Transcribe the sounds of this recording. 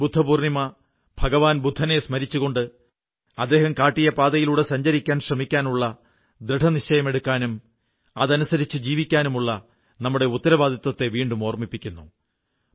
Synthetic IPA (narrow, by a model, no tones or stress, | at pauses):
bud̪ʱːɐbuːrnimɐ | bʱɐɡɐʋaːnbud̪ʱːɐnesmɐɾit͡ɕːuɣo̞ɳɖɨ | ɐd̪ːe̞ːhɐmkaːʈːijɐpaːd̪ɐjiluːɽe̞sɐɲd͡ʑɐɾikʲːaːnɕrɐmikʲːaːnuɭːɐ | d̪ɾiʈʰɐnit͡ɕɐjɐme̞ɽukːaːnum | ɐðɐnusɐɾit͡ɕːɨd͡ʑiːʋikʲːaːnumuɭːɐ | nɐmːuɽeut̪ːɐɾɐʋaːd̪ʱɐt̪wɐt̪ːe̞ʋiːɳɖumo̞ːrmipːikʲːunːu